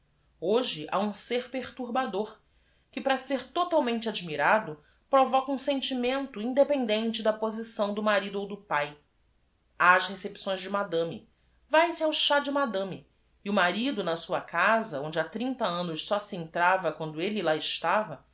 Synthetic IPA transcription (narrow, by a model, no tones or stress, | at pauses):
oʒɪʔa̰ũseɾpeχt̪uɾbad̪oɾ | kɪpɾɐseɾt̪ot̪awmẽnt͡ʃɪad͡ʒimiɾad̪ʊ | pɾovɔkɐũsẽnt͡ʃimẽnt̪ʊĩnd̪epẽnd̪ẽnt͡ʃɪd̪ɐpozisɐ̃w̃d̪ʊmaɾid̪ʊowd̪ʊpaj | aʃhesepsõj̃zʒd͡ʒɪmad̪ɐ̃mḭ | vajsɪawʃad͡ʒɪmad̪ɐ̃miː | ʊmaɾid̪ʊnɐsuɐkazɐõnd͡ʒɪat̪ɾĩnt̪ɐɐ̃nʊʃsɔsiẽnt̪ɾavɐkwɐ̃nd̪ʊelɪlaɪʃt̪avɐ